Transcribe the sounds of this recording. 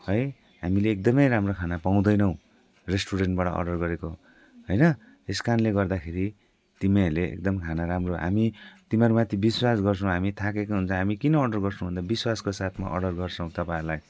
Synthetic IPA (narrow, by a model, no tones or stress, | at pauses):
hʌj | ɦamileːk̚d̪ʌmʌjɾamrokʰanapaw̃d̪ʌjnʌw̃ | resʈuɾeɳʈ̚baʈʌ̰ʔʌ̰ɖʌrɡʌɾeko | ɦʌjnʌ | eskanleɡʌrd̪akʰeɾi | t̪imeleḛk̚d̪ʌmkʰanaɾamroɦa̰mit̪imaɾumat̪ʰjibiswasɡʌrt͡sʰʌ̃w̃ɦamit̪ʰãk̬ekoɦunt͡sʰʌ̃ɦamikinʌːɖʌrɡʌrsʰnũbund̪abiswaskosat̪ʰma̰ʔʌ̰ɖʌrɡʌrt͡sʰʌw̃t̪ʌpãlaj